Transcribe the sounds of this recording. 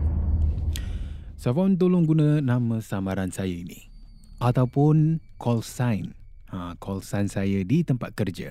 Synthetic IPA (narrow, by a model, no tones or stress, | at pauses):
safaunt̪̬olʊŋɡunə̃nãmə̃samaɾansajəinḭ̃ | at̪awpʊnkʰɔlsajn | ãkʰɔlsansajədit̪əmpat̪̚kərd͡ʒə̰